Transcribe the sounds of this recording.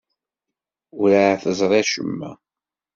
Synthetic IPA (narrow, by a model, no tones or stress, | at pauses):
ʊɾaʕθəzˤɾˤeʃə̰mːæ̰